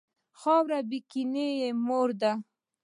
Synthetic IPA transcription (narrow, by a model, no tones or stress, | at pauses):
xɑwɾabikinejemoɾd̪a